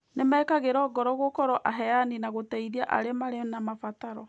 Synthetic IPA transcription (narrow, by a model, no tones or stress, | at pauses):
nemɛːkaɣeɾɔːɡɔɾɔɣokɔɾɔʔaɦɛjaninaɣotɛiɾiaʔa̰ɾemaɾenamafataɾɔ